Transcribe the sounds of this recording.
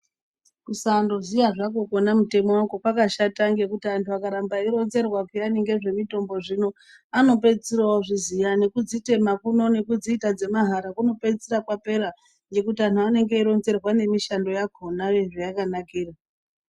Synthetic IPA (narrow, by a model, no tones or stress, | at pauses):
kusando̞zijaʐako̞konamute̞mo̞wako̞kakaʃataŋɡe̞kutiantʰuakaɾambaiɾo̞nze̞rwakijaniŋɡe̞ʐe̞mito̞mbo̞ʐino̞ | ano̞p̬e̞t͡sirawoʐizijane̞kud͡zite̞makuno̞ne̞kud͡ziːtad͡ze̞maɦaɾakuno̞pe̞t͡sirakwape̞ɾa | ŋɡe̞kutiantʰuane̞ŋɡe̞iɾo̞nze̞rwane̞miʃando̞jakʰonaʋeʐejakanakiːra